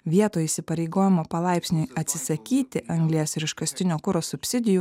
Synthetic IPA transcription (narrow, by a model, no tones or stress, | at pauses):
ʋʲiɛt̪oːiːsʲɪpɐɾʲɛɪɡoːjɪmoːpɐlˠɑˑɪpʲsʲnʲoɪɐt̪ʲsʲɪsɐkʲiːt̪ʲɪʔɐŋɡlʲiɛsɪɾʲɪʃkɐsʲt̪ʲɪnʲoːkʊɾoːsʊpʲsʲɪd̪ʲɪju